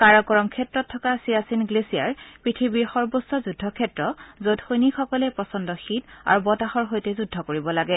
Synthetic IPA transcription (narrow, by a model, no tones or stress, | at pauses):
kaɹɔkɔɹɔmkʰɛtɹɔtʰːɔkasiasinɡlesia̰ɹpɹitʰibiɹxɔɹbosɔzudʱɔkʰɛtɹɔzodxojnikʰɔkɔlɛpɹɔsɔndɔxita̰ɹubɔtaxɔɹɦojtɛzudʱːɔkoɹibɔlaɡɛ